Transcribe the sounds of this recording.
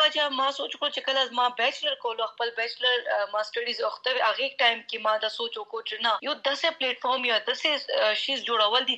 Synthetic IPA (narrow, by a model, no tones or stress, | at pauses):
ad͡ʒamãsoːt͡ʃkɽot͡ʃekɐlazmãbɛt͡ʃlɐɾkowloɐxpəlbɛt͡ʃlɐɾmãsʈɐɖizɐxt̪ɐweaɣeʈaːɪmkemãːd̪asoːt͡ʃokot͡ʃenajod̪ɐsepleːʈfoɾmjad̪ɐseʃizd͡ʒoːɽɐwəld̪i